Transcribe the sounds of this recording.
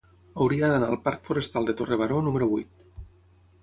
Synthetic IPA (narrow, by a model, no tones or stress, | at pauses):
awɾiaðanaːlˠpaɾkfuɾest̪alˠd̪et̪oreβaɾonumeɾuβujt̪̚